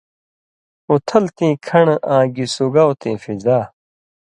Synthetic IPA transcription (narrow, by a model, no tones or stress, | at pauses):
ot̪ʰɐlt̪ĩːkʰɐɳãːɡisuɡaːwt̪ẽːfizaː